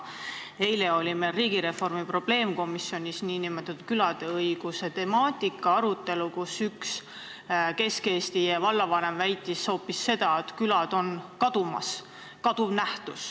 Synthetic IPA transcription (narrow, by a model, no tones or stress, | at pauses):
e̞jle̞o̞lʲimeriːɡ̥iɾe̞fo̞rmipro̞b̥le̞ːmko̞misːio̞nʲisniːnimet̪ːud̪kylɑd̪̥e̞ɤjɡ̥use̞t̪e̞mɑːt̪ʲˑikːˑɑɑɾut̪ˑːe̞lukusyks | ke̞ske̞ːst̪ijɑvɑlːɑvɑne̞mvæjt̪ːˑisoːpːisːe̞d̪̥ɑet̪kylɑd̪̥o̞nkɑd̪̥umɑ̰s | kɑd̪̥uvnæht̪us